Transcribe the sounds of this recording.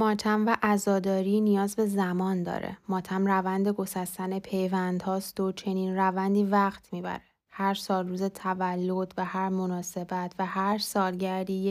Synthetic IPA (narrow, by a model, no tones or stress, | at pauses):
mɒːt̪ʰæmvæʔæzɒːd̪ɒːɾiːnijɒːzbe̞zæmɒːnd̪ɒ̰ːɾḛmɒːt̪ʰæmrævænd̪e̞ɡo̞sæst̪æne̞pʰe̞jvænd̪hɒːst̪o̞t͡ʃʰe̞niːnrævænd̪iːvæχt̪ʰmiːbæ̰ɾe | hæɾsɒːluːzet̪ʰævælːo̞d̪væhæɾmo̞nɒːse̞bæt̪ʰvæhæɾsɒːlɟæɾd̪iː